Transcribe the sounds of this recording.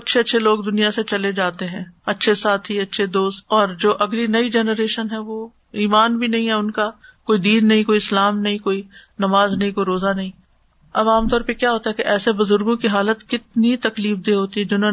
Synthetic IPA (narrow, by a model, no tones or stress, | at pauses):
ɐtːʃʰeɐtːʃʰeloːɡd̪ʊnijaset͡ʃɐled͡ʒaːt̪eɦɛ̃ːɐtːʃʰesaːt̪ʰiɐtːʃʰed̪oːst̪ɔːɾd͡ʒoːʔɐɡlinɐid͡ʒɛːnəɾeːʃənɦɛ̃ʋoː | iːmaːnbʱinɐɦĩɦɛʊnka | koːid̪iːnːɐɦĩkoːiɪslaːmnɐɦĩkoːi | nɐmaːznɐɦĩkoːiɾoːzanɐɦĩ | ɐbaːmt̪ɔːɾpekjaːɦoːt̪aɦɛkeʔɛːsebʊzʊɾɡõkiɦaːlət̪kɪt̪nit̪ɐkliːfd̪eːɦoːt̪iɦɛd͡ʒʊnõ